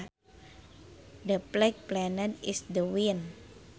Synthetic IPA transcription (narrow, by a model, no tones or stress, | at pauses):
dəplɛk̚plɛnɛt̪isdəwin